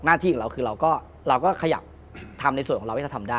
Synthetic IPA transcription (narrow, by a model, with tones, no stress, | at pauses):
naː˥˩t̪ʰiː˥˩˨ɾkʰɯː˧ɾa˧wkɔː˥˩ | ɾa˧wkɔː˥˩kʰa˧ja̰˨˩p̚ | t̪ʰa˧mna˧jsu˨˩nʰɔː˨˦˧a˧wːʰa˧˩tʰa˧mdaː˥˩